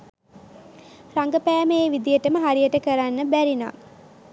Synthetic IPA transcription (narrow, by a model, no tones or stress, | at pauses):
raŋɡəpæːməeʋid̪ijəʈəməɦaɾijəʈəkəɾanːəbæɾina̰ː